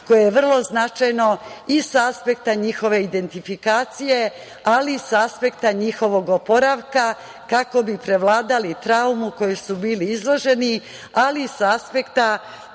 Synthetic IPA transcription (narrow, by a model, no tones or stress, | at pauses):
ko̞jejeʋr̩lˠo̞znat͡ʃajno̞isaspe̞kt̪aɲixo̞ʋe̞id̪e̞nt̪ifikaːt̪sije | alisaspe̞kt̪aɲixo̞ʋo̞ɡopo̞ɾaʋka | kako̞bipɾe̞ʋlˠaːd̪alit̪ɾaumuko̞jesubiːliizlˠo̞ʒe̞ni | alisaspe̞kt̪a